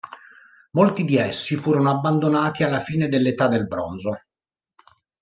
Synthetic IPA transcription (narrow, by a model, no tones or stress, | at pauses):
molt̪id̪iɛsːifuːɾonoabːand̪onaːt̪ialːafiːned̪elːet̪ad̪elbɾonzo